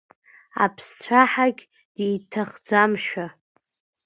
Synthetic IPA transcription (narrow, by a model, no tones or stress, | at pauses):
a̰pʰst͡sʷʰaħaɡʲ | d̥ejtʰaχd͡zamʃᶣa